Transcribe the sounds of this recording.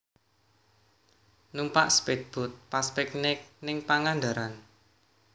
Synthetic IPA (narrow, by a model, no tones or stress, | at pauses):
numpa̰ʔsped̪̚b̥ʊ̤t̪̚paspɛknɪk̚nɪŋpaŋand̪a̤ɾan